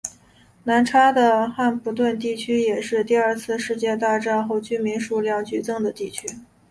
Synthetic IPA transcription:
na˧˥nʈ͡ʂʰa˥d̪ə˨xa˥˩nfu˧˥t̪̬wə˥˧nt̪̬i˥˩t͡ɕʰy˥jɛ˨˩ʂɻ̩˥˧t̪i˥˧a˞˥˧t͡sʰɹ̩˥˧ʂɻ̩˥˧t͡ɕjɛ˥˧t̪̬a˥˧ʈ͡ʂɑ˥˧xo˥˩ʊt͡ɕy˥˩mi˧˥ŋʂu˧˥˩ljɑ˥˩ŋt͡ɕy˨˩t͡sɤ˥˩ŋd̪ə˩t̪i˥˩t͡ɕʰy˥

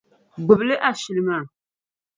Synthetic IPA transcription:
ɡ͡bɨ˨blɨ˦ʔa˦ʃi˨lɨ˦ma˨

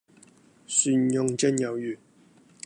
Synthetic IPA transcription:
sy˧njʊ˧ŋt͡ɕɛ˥njɐ˨˩wjyː˨˩

